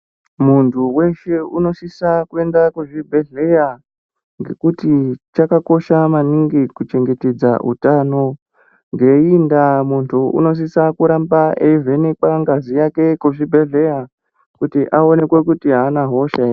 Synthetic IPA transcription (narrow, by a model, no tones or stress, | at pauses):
muntʰuwe̞ʃe̞uno̞sisakue̞ndakweʐibʱe̞ɮe̞ja | ŋɡe̞̰kutit͡ʃakako̞ʃamaniŋɡikut͡ʃe̞ŋɡe̞te̞d͡za̰ʔṵtano̞ | ŋɡe̞indamuntʰuṵno̞s̬isakuɾambaʔeivʱe̞nekwaŋɡazijake̞kuʐibʱe̞ɮe̞ja | kutiʔao̞ne̞kwe̞kutiɦaːnaɦo̞ʃa